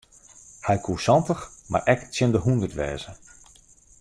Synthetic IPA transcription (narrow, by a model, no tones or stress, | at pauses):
hɛjkʰusɑntəxma̰rʔɛktsjɪndəɦundərtʋɛːzə